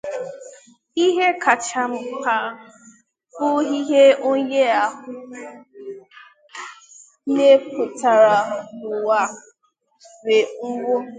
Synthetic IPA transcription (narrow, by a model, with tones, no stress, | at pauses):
i˦ɦe˦ka˨t͡ʃa˨m̩˦ka˨ | pʊ˦ɦi˦ɦe˦o˦ɲe˦a˨ɦʊ˨˦ | ne˦pʊ˨ta˨ɾa˨lʊ˨wa˨ | we˨ŋ̩˦ɡʷʊ˦